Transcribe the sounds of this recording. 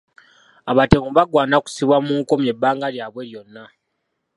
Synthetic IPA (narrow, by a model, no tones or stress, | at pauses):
aβatemuβaɡwaːnaku̥siβwamuːŋko̞mje̞bːaːŋɡaljaːβwe̞ljo̞nːa